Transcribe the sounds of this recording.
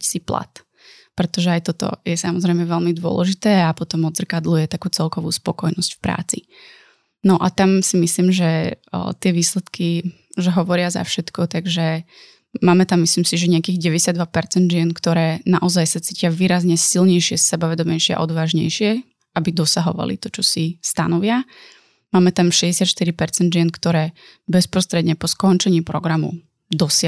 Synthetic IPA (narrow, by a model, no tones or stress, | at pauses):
sipla̰t̪ | pɾɛt̪ɔʒɛajt̪ɔt̪ɔ̰jɛsamɔzɾɛjmɛʋɛlmid̪ʊɔ̰lɛ̰ʒit̪ɛːapɔt̪ɔmɔd̪zr̩kad̪lujɛt̪akuːt͡sɛlkɔʋṵːspɔkɔjnɔscfpɾa̰ːt͡sḭ | nɔʔat̪amsimisliːmʒɛ̰t̪ɪɛʋiːslɛt̪ki | ʒɛɦɔʋɔɾɪaza̰fʃɛt̪kɔt̪aɡʒɛ | maːmɛt̪amːisliːmsiʒɛɲɛakiːɣɟɛʋɛɟɛsjad̪ʋapɛɾt͡sɛnd̪ʒɪɛnkt̪ɔɾɛːnaʔɔzajsat͡siːcɪaʋiːɾazɲɛsilɲɛjʃɪɛsɛbaʋɛd̪ɔmɛjʃɪɛa̰ʔɔd̪ʋaːʒɲɛ̰jʃɪɛ | ʔabid̪ɔsaɦɔ̰ʋa̰lḭt̪ɔt͡ʃɔsist̪anɔʋɪa | maːmɛt̪amʃɛɟɛsjat̪ʃt̪iɾipɛɾt͡sɛnd̪ʒɪɛnkt̪ɔɾɛː | bɛspɾɔst̪ɾɛd̪ɲɛpɔskɔnt͡ʃɛɲiːpɾɔ̰ɡɾamṵ | d̪ɔs